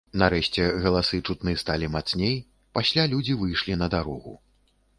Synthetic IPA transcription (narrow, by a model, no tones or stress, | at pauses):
naɾɛʂt͡sʲɛɣɐlˠasɨt͡ʂut̪nɨst̪alʲimat̪snʲej | pasʲlʲalʲud͡zʲivɨjʂlʲinɐd̪aɾɔɣṵ